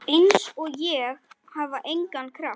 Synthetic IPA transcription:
ɪnsɔɣjɛɣ | havaʔejŋkankʰɾaft̪

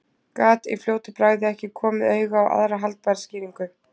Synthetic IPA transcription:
kaːt̪ḭfljoːwt̪ɪpɾaːɣðɪɛhcɪkʰɔːmɪðœːɥɣawʔa̰ðɾaɦalt̪̚paɾsciːɾiŋkʏ

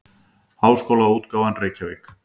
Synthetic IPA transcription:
haːwskowlauːt̪kaːwvanreːjcavek

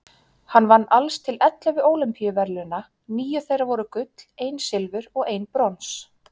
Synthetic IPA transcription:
hanːvanːalst̪ʰɪlɛt̪lavɪoːwlɪmpijʏvɛɾlʏna | niːjʏθejrːavɔɾʏkʏt̪l̥ejnsɪlvʏɾɔɣejnpɾɔns

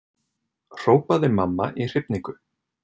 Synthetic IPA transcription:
r̥oːwpaðɪmamːaʔir̥ɪpniŋkʏ

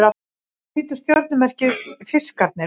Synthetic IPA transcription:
ɾa | iːt̪ʏ̥st̪jɔɾt̪nʏmɛr̥cɪfɪ̥skaɾt̪nɪ

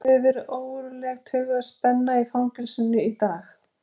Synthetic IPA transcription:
θɛvɛɾʏʔoːwʏɾlɛxt̪hʏɣaðspɛnːaifawŋkɪlsɪnːʏit̪aːx

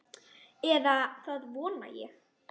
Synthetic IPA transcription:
ɛðaθaðvɔːna̰jɛ̰x

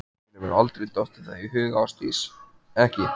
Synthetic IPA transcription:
nɪvɛɾalt̪ɾejt̪ɔht̪ɪaihʏːɣawst̪iːs | ɛhcɪ

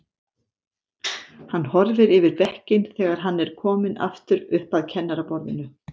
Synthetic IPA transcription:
hanːhɔɾvɪɾɪvɪɾvɛhcɪnθɛːɣaɾ̥ɦanːɛɾ̥kʰɔːmɪnʔa̰ft̪ʏɾʏhpaðcʰɛnːaɾapɔɾðɪnʏ

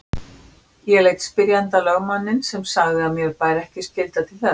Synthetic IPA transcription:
jɛlejt̪spɪɾjant̪alœɣmanːɪnsɛmsaɣðɪaðmjɛɾpaːjɾɛhcɪscɪlt̪at̪ʰɪlθɛ

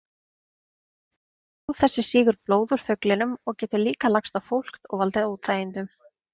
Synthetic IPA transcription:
awθɛsːɪsiːɣʏɾploːwðʏɾ̥fœklɪnʏmɔɣcɛːt̪ʏliːkalakst̪awfowl̥kt̪ɔ̰ɣvalt̪ɪðaut̪ʰθaːjɪnt̪ʏm

